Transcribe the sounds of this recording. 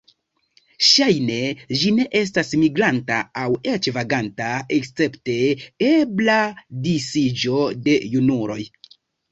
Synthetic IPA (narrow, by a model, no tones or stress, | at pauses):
ʃajne̞d͡ʒine̞ʔe̞s̬tasmiɡɾantaawe̞t͡ʃvaɡantaekst͡se̞pte̞ebladisid͡ʒo̞de̞junuɾo̞̰j